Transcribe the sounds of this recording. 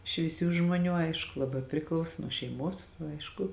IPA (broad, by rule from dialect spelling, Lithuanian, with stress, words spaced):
ʃʲʋʲiːˈsʲuː ʒmuɔˈnʲuː ˈɐɪʃkʊ lˠɐˈbɑː pʲrʲɪˈklˠɐʊsoː nuɔ ʃʲɛɪˈmuɔs ˈɐɪʃkʊ